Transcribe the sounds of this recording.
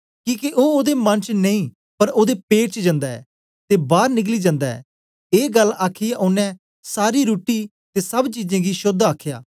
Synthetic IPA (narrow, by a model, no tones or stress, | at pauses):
kĩːkiʔoːoːd̪emɐ̃nt͡ʃneĩː | pɐɾoːd̪epeːʈt͡ʃəd͡ʒɐ̃ːnd̪aɛ̰ː | t̪ebaːɾnɪk̬liːd͡ʒãːnd̪aɛ̰ː | eːɡəlaːkʰijaʔʊnːɛ̃ | saːɾiɾuːʈi | t̪esɐbt͡ʃiːd͡ʒẽːɡiʃʊd̪aːkʰja̰ː